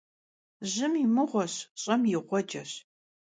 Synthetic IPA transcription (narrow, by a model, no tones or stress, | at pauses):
ʑɪmimɨʁʷɔɕɕʼɐmjɪʁʷɔd͡ʒɐɕ